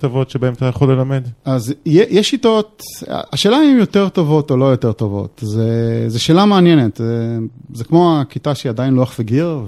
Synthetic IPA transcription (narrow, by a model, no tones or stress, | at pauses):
t̪ovotʃebaemat̪ajaχole̞lamed̪azjejɛʃːito̞ta̰aʃeːlaimjot̪eʁ̞t̪o̞vo̞t̪olo̞jot̪eʁt̪o̞vo̞̰t̪zezeʃeːlameanjenetzezekmo̞akit̪aʃeiad̪ajinloaχveɡiʁ